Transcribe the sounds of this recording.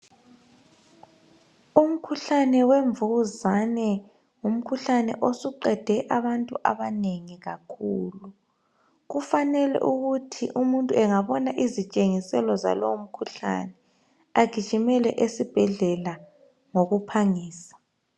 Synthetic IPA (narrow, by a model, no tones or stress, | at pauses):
um̩kʰuɬanɛweɱvuɣuzanɛ | ŋum̩kʰuɬanɛ̰ʔosuǃɛd̥ʱɛʔaβantʼuʔa̰βaneŋiɣakʰuːlu | ɣufanɛlɛ̰ʔuɣutʰḭʔumuntʼuɛŋaβɔnaʔizit͡ʃʼeŋisɛlɔza̰lowom̩kʰuɬa̰nɛ | aɡ̥ʱi̥t͡ʃimɛlɛ̰ʔesib̥ʱɛɮɛla | ŋoɣupʰaŋiːsḁ